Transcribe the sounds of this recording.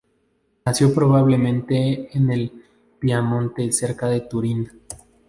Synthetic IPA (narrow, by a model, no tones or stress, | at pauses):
nasjo̞pɾo̞β̞aβle̞mẽnt̪e̞ːnel | piamõ̞nt̪e̞se̞ɾkaðe̞t̪uɾina